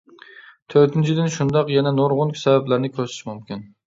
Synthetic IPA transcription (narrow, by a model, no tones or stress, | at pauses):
t̪ʰøɾt̪ʰɪnt͡ʃʰid̪ɪnʃund̪ɑqjɛnɛnoɾʁʊnkʰʲsɛbæblæɾnɪkʲʰøɾsɪ̥ʃmumkʲin